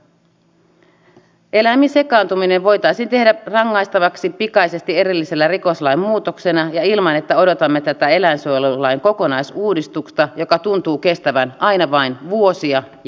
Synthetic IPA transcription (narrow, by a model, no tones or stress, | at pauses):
ʔe̞læmːinse̞kɑːnt̪umine̞ʋʋo̞jt̪ɑisiːnt̪e̞hdærɑŋːɑist̪ɑʋɑksipikɑjse̞st̪ie̞ɾilːise̞lːæriko̞slɑimmuːt̪okse̞nɑjɑilmɑne̞t̪ːæo̞do̞t̪ɑmːet̪æt̪æe̞læinsolulɑjŋko̞ko̞nɑjsuːdist̪ukst̪ɑjo̞kɑt̪unt̪uːke̞st̪æʋænʔɑinɑʋɑinʋuosiɑ